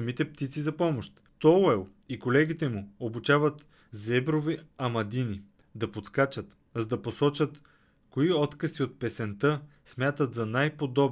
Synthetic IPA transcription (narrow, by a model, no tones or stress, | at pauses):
mit̪ɛp̚t̪it̪sizɐpɔmoʃt̪ | t̪ɔlɛlˠ | ikolɛɡ̟it̪ɛmuobut͡ʃavət̪ | zɛbɾoviɐmɐd̪ini | d̪ɐpot̪skat͡ʃət̪ | zd̪ɐposɔt͡ʃət̪ | koiɔt̪kəsiot̪̚pɛsɛnt̪ɤ | smʲjat̪ət̪zɐnajpod̪ɔb